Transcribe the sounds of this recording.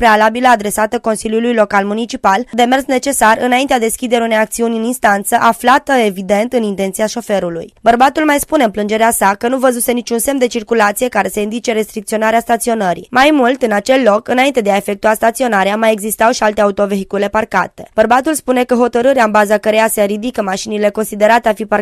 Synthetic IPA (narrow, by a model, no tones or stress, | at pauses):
pɾe̞alabiləad̪ɾe̞sat̪əko̞nsiljulujlo̞kalmunit͡ʃipald̪e̞me̞rsne̞t͡ʃe̞sarɨnaint̪ead̪eskʲid̪e̞ɾunejak̚t̪siunʲɨninst̪ant̪səʔaflat̪əe̞vid̪e̞nt̪ɨnint̪ent̪sijaʃo̞fe̞ɾulṵjbərbat̪ulmajspune̞ɨnplɨnd͡ʒe̞ɾeasakənuvəzuse̞nit͡ʃunse̞md̪e̞t͡ʃirkulat̪sije̞kaɾe̞se̞ind̪it͡ʃe̞ɾe̞st̪ɾik̚t̪sio̞naɾeast̪at̪sio̞nəɾḭmajmult̪ɨnat͡ʃe̞lːo̞kɨnaint̪e̞d̪eae̞fe̞k̚t̪uast̪at̪sio̞naɾeamajeɡzist̪awʃialt̪e̞aut̪o̞ve̞ɦikule̞parka̰t̪e̞̥bərbat̪ulspune̞kəɦo̞t̪əɾɨɾeaɨnbazakəɾejaseɾid̪ikəmaʃinile̞ko̞nsid̪e̞ɾat̪eafipa